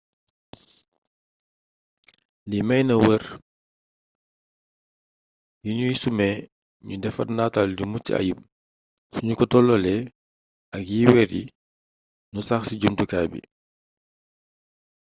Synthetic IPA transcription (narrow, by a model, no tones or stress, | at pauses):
limɛjnɐwər | juɲujisumɛ | ɲudɛfɐ̰rndaːtaldumutḭɐ̰jum | suɲukɔtɔlɔlɛ | ɐkjiwɛɾji | nusaxsiɟumtukabḭ